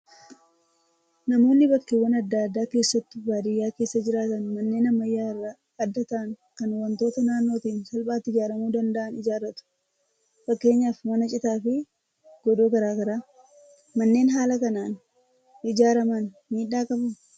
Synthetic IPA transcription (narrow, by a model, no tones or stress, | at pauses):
nɐmo̞ːnːɪbɐkːewːɐnɐd̪ːaːd̪ːaːke̞ːsːɐt̪ːɪbaːd̪ɪjːaːke̞ːsːɐd͡ʒɪɾaːt̪ɐnmɐnːe̞ːnɐmːɐjːaːɪrːa | ɐd̪ːɐt̪ɐʔɐŋkɐnwɐnt̪o̞ːt̪ɐnaːnːo̞ːt̪iːnsɐlbʼaːt̪ːɪd͡ʒaːɾɐmuːd̪ɐnd̪ɐʔɐnɪd͡ʒaːrːɐt̪ʊ̥ | fɐkːe̞ːɲːaːfmɐnɐt͡ʃʼɪt̪aːfɪ | ɡ̥ɔd̪oːɡɐɾaːɡɐɾaː | mɐnːe̞ːnɦaːlɐkɐnaːn | ɪd͡ʒaːɾɐmɐn | miːᶑːaːkʼɐbʊ